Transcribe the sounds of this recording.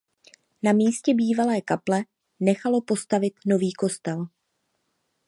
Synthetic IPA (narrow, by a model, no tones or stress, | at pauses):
namiːscɛbiːvalɛːkaplɛ | nɛxalo̞po̞st̪avɪt̪no̞viːko̞st̪ɛl